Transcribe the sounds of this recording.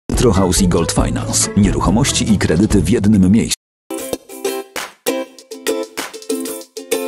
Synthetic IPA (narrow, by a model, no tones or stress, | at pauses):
t̪ɾɔxawsiɡɔlt̪fa̰jna̰nsɲɛɾuxɔmɔɕt͡ɕiʔikɾɛd̪ɘt̪ɘvʲjɛd̪nɘmːʲjejs